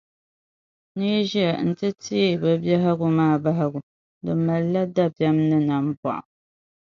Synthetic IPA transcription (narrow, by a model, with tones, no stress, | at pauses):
ni˦ʒi˦ɛ˨n̩˦tɨ˦ti˦˨bɨ˨bjɛ˦ɦa˦ɡʊ˨maː˦˨ba˦ɦɪ˦ɡʊ˨ | dɨ˨ma˨lːa˦da˦bjɛ˦mnɨ˦na˨m˦ba̰˨ʔa̰˨